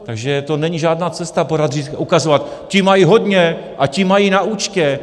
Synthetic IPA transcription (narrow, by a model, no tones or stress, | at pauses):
t̪aɡʒɛt̪o̞nɛɲiʒaːdnaːt͡sɛst̪apo̞ɾad̪rit̪ʔukazovat̪cɪmajiɦo̞dɲɛʔacɪmajinaut͡ʃcɛ